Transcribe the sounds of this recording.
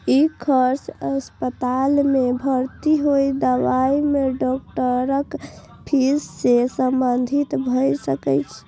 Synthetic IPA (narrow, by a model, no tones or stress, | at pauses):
ikʰəɾsəspət̪almebʱəɾt̪iɦojd̪əʋaimeɖɔk̚ʈəɾək | pʰisːesəmbənd̪ʱit̪bʱəjsəkɛjt͡ʃʰ